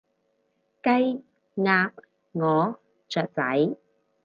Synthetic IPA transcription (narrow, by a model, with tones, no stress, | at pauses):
kɐ˥j | ŋaː˨˧p̚ | ŋɔː˨ | t͡ʃœː˨˩t̚t͡sɐ̰˨˥j